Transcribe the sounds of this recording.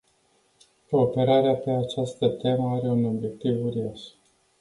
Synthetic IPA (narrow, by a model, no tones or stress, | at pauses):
ko̞ːpe̞ɾaɾeape̞at͡ʃast̪ət̪e̞məaɾe̞uno̞bje̞k̚t̪ivuɾiaʃ